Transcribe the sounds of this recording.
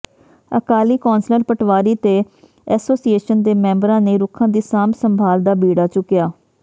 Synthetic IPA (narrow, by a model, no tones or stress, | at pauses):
əkaːliːkɔːnsləɾpəʈʋaːɾiːt̪eː | ɛːsoːsieːʃənd̪eːmɛ̃ːmbɾãːneːɾʊkʰãːd̪iːsaːmsəmbʱaːld̪aːbiːɽaːt͡ʃʊkːɪjaː